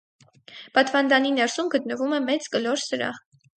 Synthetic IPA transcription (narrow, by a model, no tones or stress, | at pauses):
pɑt̪vɑnd̪ɑninɛɾsumɡət̪̚nəvumɛmɛt͡skəlɔɾsəɾɑ̰